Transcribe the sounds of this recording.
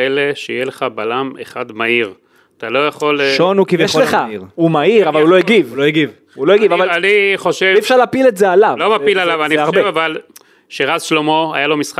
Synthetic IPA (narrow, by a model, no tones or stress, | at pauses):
eleʃeijeleχabalamḛχad̪maiʁ | at̪alo̞jaχo̞lʃonukivjeʃleχaiʁumaiʁavalulojeɡivuloeɡiv | uloeɡivavalaniχo̞ʃevifʃaʁlaːpiletzealavlomapilalavanieoaʁevaval | ʃeʁazʃlomo̞a̰jalo̞misχa